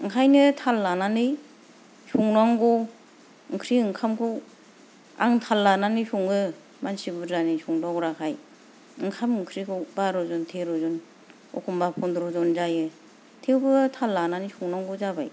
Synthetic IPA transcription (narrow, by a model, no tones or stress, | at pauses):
ɯŋkʰajnɯtʰalːananɯj | suŋnaŋɡɔ | ɯŋkʰɾiɯŋkʰamkʰu | a̰ŋtʰalːananɯjsuŋɯ | mansibɯzanɯjsuŋdɔɡɾakʰaj | ɯŋkʰamɯŋkʰɾikʰubaɾɔzɔntʰeɾɔzɔn | ɔ̰kʰɔmbapʰɔndɾɔzɔnd͡ʒajɯ | tʰewbɯtʰalːananɯjsuŋnaŋɡuzaba̰j